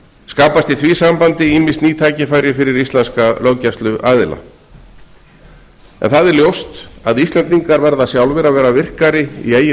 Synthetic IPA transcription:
skaːpast̪iθviːsampant̪ɪinmɪsniːt̪ʰaːjcɪfaːjɾjɪfɪɾɪɾist̪lɛnskaloːwcast̪lʏʔaːðɪla̰ | ɛ̰nθaðɪɾljowst̪aðist̪lɛnt̪iŋkaɾvɛɾðasjawlvɪɾavɛːɾavɪr̥kaɾɪḭeːjɪ

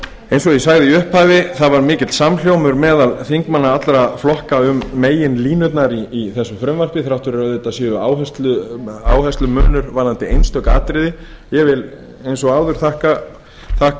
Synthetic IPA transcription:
ejnsɔɣisaːɣðɪiʏhphavɪθaðvaɾmɪːcɪt̪saml̥jowmʏɾmɛːðalθiŋkmanːaat̪lɾaflɔhkaʏmːeːjɪnliːnʏt̪̬naɾiːθɛsːʏfɾʏmvar̥pɪθɾawht̪ʏɾɛɾaœðɛt̪ːasjɪːʏaːwɦɛst̪lʏa̰ːwhɛst̪lʏmœːnʏɾvaɾlant̪ɪejnst̪œhka̰ːt̪ɾɪðɪ | jɛɣvɪl | ejnsɔɣaːwðʏɾ̥θahka | θahk

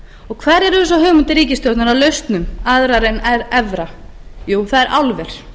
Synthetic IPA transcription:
ɔɣkʰvɛːɾɛɾʏs̬aɦœːmʏnt̪ɪɾiːcɪst̪ɔwt̪naɾawlœɥst̪nʏmaðɾaɾɛnɛɾɛvɾa | juːθaðɛɾʔawlvɛɾ̥

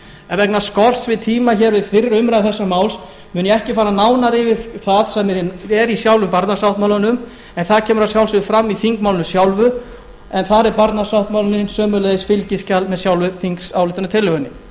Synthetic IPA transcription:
ɛvɛknaskɔr̥t̪svɪðt̪ʰiːmaçɛɾvɪðfɪɾɪɾʏmɾaθɛsːamaːwls | mʏnjɛɛhcɪfaːɾanaːwnaɾɪvɪðθaðsɛmːɛɾɛɾisjawlvʏmpaɾt̪nasawht̪mawlanʏm | ɛnθaðcʰɛːmʏɾawsjawlsʏfɾamːiθiŋkmawlɪnʏmsjawlvʏ | ɛnθaɾɛɾpaɾt̪nasawht̪mawlnɪnsœːmʏlɛðɪsfɪlcɪscalmɛðsjawlvʏθiŋksawlɪht̪anʏt̪ʰɪlːœɣʏnːɪ

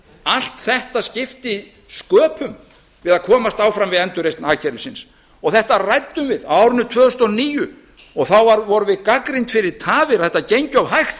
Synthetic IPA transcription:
al̥t̪θɛht̪ascɪft̪ɪi | skœːpʰʏm | vɪðaðkʰɔːmast̪aːwfɾamvɪðɛnt̪ʏɾejst̪nhaːcʰɛɾʏsɪns | ɔɣθɛht̪arajt̪ːʏmvɪðaaːwɾʏnʏt̪ʰvœːðʏst̪ɔniːjʏ | ɔɣθawvaɾvɔɾʏvɪðkakɾɪjnt̪fɪɾɪɾ̥t̪ʰaːvɪɾaθɛht̪ːacejɲcʏawɦajxt̪

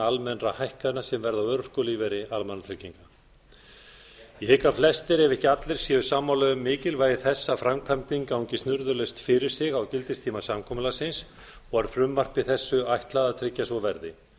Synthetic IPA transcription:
almɛnrahajhkaðɪnasɛmvɛɾðawœɾr̥kʏliːvɛɾɪalmanːat̪ʰɾɪcːiŋka | ihɪkaflɛst̪ɪɾɛvɛhcɪat̪lɪɾ̥sjɛːðʏsaːmawlœːɣʏmːɪːcɪlvaːjɪθɛsːafɾamkʰamt̪iŋkawɲcɪst̪nʏɾðʏlœjst̪fɪɾɪɾ̥sɪɣawcɪlt̪ɪst̪ʰiːmasamkʰɔmʏlasɪns | ɔɣaɾ̥fɾʏmːar̥t̪vɪθɛsːʏajht̪laðat̪ʰɾɪcːasvɔvɛɾðɪ

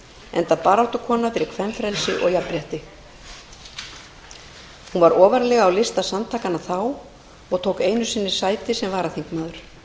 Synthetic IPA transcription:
ɛnt̪apaːɾawht̪ʏkʰɔːnafɪɾɪɾ̥kʰvɛmfɾɛlsɪʔɔ̰ɣjapɾjɛht̪ɪ | hunvaɾɔːvaɾlɛːɣaːwlɪst̪asant̪ʰaːkanːaθaw | ɔɣt̪ʰoːwkeːjnʏ̥sɪnːɪ̥saːjt̪ɪsɛmvaːɾaθiŋkmaːðʏɾ̥

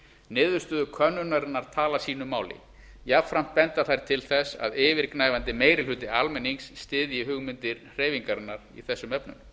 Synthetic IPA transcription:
nɪːðʏɾst̪ʏːðʏkʰœnːʏnaɾɪnːaɾ̥t̪ʰaːlasiːnʏmːaːwlɪ̰ | jafɾam̥t̪̚pɛnt̪aθajɾ̥t̪ʰɪlθɛsa̰ðɪːvɪɾknaːjvant̪ɪmeːjɾɪlʏːt̪ɪalmɛniŋsːt̪ɪːðjɪɦʏɣmɪnt̪ɪɾr̥eːjviŋkaɾɪnːaɾḭθɛsːʏmɛpnʏ̰m

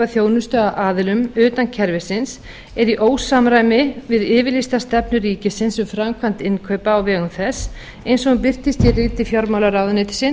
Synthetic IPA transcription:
aθjoːwnʏst̪œɣaʔaːðɪlʏmʏːt̪ancʰɛɾvɪsɪns | ɛɾiʔoːwsamɾaːjmɪvɪðɪːvɪlist̪ast̪ɛpnʏɾiːcɪsɪnsʏmfɾamkʰvan̥t̪ɪnkʰœɥpaːwvɛːɣʏmθɛs | ejnsɔɣʏmpɪr̥t̪ɪst̪jɛrɪːt̪ɪfjɔɾmawlaɾawðʏneːt̪ɪ̥sɪn

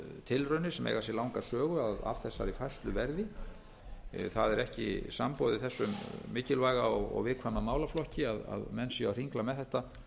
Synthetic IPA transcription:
t̪ʰɪlrœnɪ̥sɛmʔḛjɣas̬ɛlawŋkasœːɣʏaða̰vθɛsːa̰ɾifaj̥st̪lʏvɛɾðɪ | θaðɛɾɛhcɪ̰sa̰mpɔwðɪθɛsːʏmːɪːcɪlvaːjɣaɔɣɔ̰ɣvɪðkʰvamamaːwlaflɔhcɪaða̰ðmɛnsjawr̥iŋklamɛðθɛht̪a

